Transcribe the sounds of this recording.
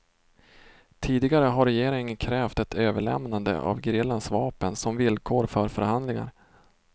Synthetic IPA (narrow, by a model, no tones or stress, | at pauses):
t̪ʰiːd̪ɪɡaɾəɦaɾɛjeːɾɪŋənkʰɾɛːft̪ɛt̪ʰøːvəɭɛ̰mnand̪ə̰ʔa̰vɡɾɪːlːansvɑːpənsɔmvɪlkʰoːɾfœɾfœ̰ɾhand̪lɪŋa̰ɾ